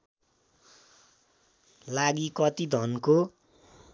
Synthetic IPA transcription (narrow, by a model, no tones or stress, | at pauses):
laɡikʌt̪id̪ʱʌnko